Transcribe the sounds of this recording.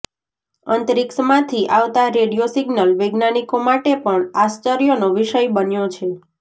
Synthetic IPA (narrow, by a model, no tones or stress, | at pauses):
ənt̪əɾiksmãt̪ʰiʔaʋt̪aɾeɽijosiɡnəlʋeɡnanikomaʈepəɳast͡ʃəɾijonoʋiʃəjbənjot͡ʃʰe